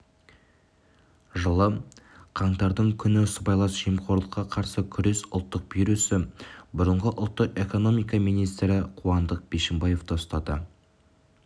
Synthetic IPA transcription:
ʒəlˠə | qʰɑɴt̪ɑɾd̪əɴkʲʰʏnɪsəbɑjlˠɑsʒ̥ijəmqʰo̞ɾlˠəqːɑqʰɑɾsəkʲʰʏɾe̞sʊlˠt̪ːəq̚bijɾusɪbʊɾəɴʁəʔʊ̰lˠt̪ːəqe̞ko̞no̞mijkɑmijnijst̪ɾɪqʰuɑnd̪əq̚b̥e̞ʃɪmbɑje̞ft̪ʰost̪ɑd̪ə

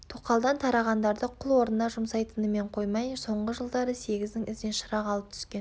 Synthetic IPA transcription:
t̪ʰoqɑlˠd̪ɑnt̪ʰɑɾɑʁɑnd̪ɑɾd̪əqʰʊlˠwo̞ɾnənɑʒʊmsɑjt̪ənəme̞ɴqʰo̞jmɑjso̞ɴʁəʒəlˠd̪ɑɾəse̞ɡʲɪzd̪ɪŋʔɪzd̪enʃəɾɑqɑlˠəp̚t̪ʰʏ̥skʲe̞n

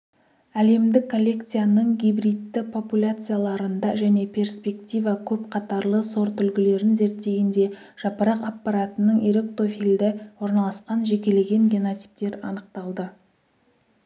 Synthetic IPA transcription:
æle̞md̪ɪkʰːo̞lʲːe̞kt̪sɨjanəɴɡʲijbɾijt̪ːɪpʰo̞pulʲat̪sɨjalˠɑɾənd̪ɑʒæne̞pʲʰe̞rspʲe̞kt̪ʲijvɑkʲʰɵp̚qʰɑt̪ɑɾlˠəso̞ɾt̪ʰʏlɡʲɪle̞ɾɪnze̞ɾt̪ːe̞ɡʲɪnd̪e̞ | ʒ̥ɑpəɾɑqapːaɾat̪ənəɴiɾe̞k̚t̪o̞fild̪ɪwo̞ɾnɑlˠɑsqɑnʒe̞kʲe̞le̞ɡʲe̞ŋɡʲeno̞t̪si̥p̚t̪e̞ɾɑ̰nəq̚t̪ɑlˠd̪ə

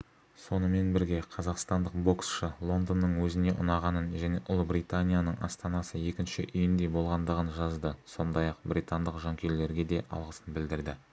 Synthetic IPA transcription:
so̞nəme̞nbɪɾɡʲe̞qʰɑzɑqst̪ɑnd̪əq̚bo̞ksʃəlˠo̞nd̪onːəɴwɵzɪne̞ʔʊ̰nɑʁɑnənʒæne̞ʔʊlˠbrit̪anʲijanəɴʔɑ̰st̪ɑnɑsəje̞kʲɪnʃɪ̰ʔʏjɪnd̪e̞bo̞lˠʁɑnd̪əʁənʒɑzd̪əso̞nd̪ɑjɑq̚bɾijt̪and̪əqʒɑŋkʲʰe̞ɾle̞ɾɡʲe̞d̪e̞ʔɑ̰lˠʁəsənbɪld̪ɪɾd̪ɪ

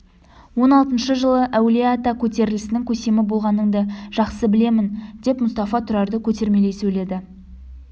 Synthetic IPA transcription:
wo̞nɑlˠt̪ənʃəʒəlˠəʔæwliat̪akʲʰɵt̪e̞ɾɪlɪsɪnɪŋkʲʰɵse̞mɪbo̞lˠʁɑnːəɴd̪əʒ̥ɑqsəbɪle̞mɪnd̪e̞pmʊst̪ɑfɑt̪ʰʏɾɑɾd̪əkʲʰɵt̪e̞ɾme̞le̞jsɵjle̞d̪ɪ

